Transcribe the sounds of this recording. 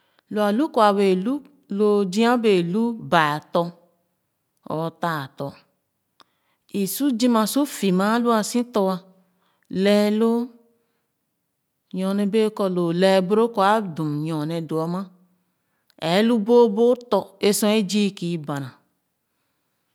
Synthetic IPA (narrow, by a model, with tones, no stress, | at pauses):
lo˨a˨lu˦ko˨a˨we˨lu˦ | lo˨d͡ʒĩ˦ã˦be˨lu˦ba˨tɔ˧ | ɔ̰˨ta˨tɔ˨ | i˨su˦d͡ʒi˦ma˨su˦fi˨mã˦lu˦a˨sĩ˦tɔ˦wa˧ | lɛ˦lo˦ | ɲɔ̃˨nɛ˦be˦kɔ˧lo˨lɛ˨bu˦ɾo˦ko˨˦a˨˦dũ˨ɲɔ˨ne˨do˨a˦mã˦ | ɛ˨˦lu˦bo˦bo˦tɔ˦e˦sɔ̃˦e˦d͡ʒi˦ki˨˦ba˨nã˨